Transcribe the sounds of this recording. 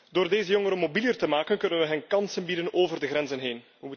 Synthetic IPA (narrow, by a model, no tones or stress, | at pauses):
d̥oːrdeːzəjɔŋəɾəmobilijərtəmaːkənkɵnənʋəɦɛnkɑnsənbidənoːvərdəɣrɛnzənɦeːn | ʋəmu